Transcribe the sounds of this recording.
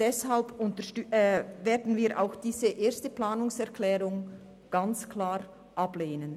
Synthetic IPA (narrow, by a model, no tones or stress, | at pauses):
d̥ɛshalbʊntəʃtːveːɐdn̩viːɾʔa̰ʊxd̥iːzəʔeːɐstəplaːnʊŋsɛɐkʰlɛːʁʊŋ | ɡ̥ant͡skʰlaːʁ | ʔableːnən